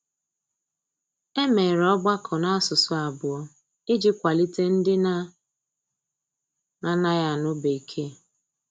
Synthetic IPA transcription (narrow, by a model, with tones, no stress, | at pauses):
e˦me˨ɾɔ˦ɡ͡ba˦kʰɔ˨na˦a˦sʊ˨sʊ˨a˨bʊ˨ɔ˦ | ɪ˦d͡ʒi˦kʷa˨li˦te˦n̩˦dɪ˦na˦ | na˨na˦ja˨nʊ˦be˨i˨kʰe˦